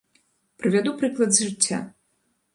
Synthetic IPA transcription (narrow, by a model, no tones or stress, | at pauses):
pɾɨvʲad̪upɾɨklˠɐd̪zʐɨt͡sʲːa̰